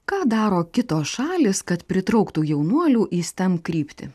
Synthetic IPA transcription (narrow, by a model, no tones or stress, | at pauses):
kɑːd̪ɑːɾoːkʲɪt̪oːsʃɑːlʲɪːskɐt̪pʲɾʲɪt̪ɾɐʊkt̪uːjɛʊnuɔlʲuːʔisʲt̪ʲɛmpkɾʲiːpʲt̪ʲɪ̰